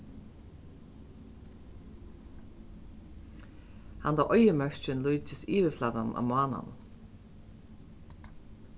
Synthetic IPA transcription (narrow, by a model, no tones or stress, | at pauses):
hand̪aʔɔjəmœɹt͡ʃɪnlujt͡ʃɪsiːʋɪflaːt̪ana̰mʊaːna̰n